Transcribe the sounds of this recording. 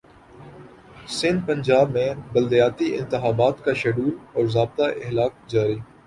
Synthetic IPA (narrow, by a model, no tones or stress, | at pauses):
sɪ̃nd̪̚pɐ̃ɲd͡ʒaːbmẽbɐld̪ijaːt̪iɪ̰̃nt̪ɪxaːbaːt̪kaʃɐɖuːlɔːɾzaːb̚t̪aʔɪɦlaːk̚d͡ʒaːɾiː